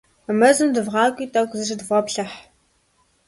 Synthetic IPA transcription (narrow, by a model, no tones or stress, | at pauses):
mɐzɨmdɨvʁɑːkʷʼiːtʼɐwɡʷzɨʒɨdvɔpɬɐħ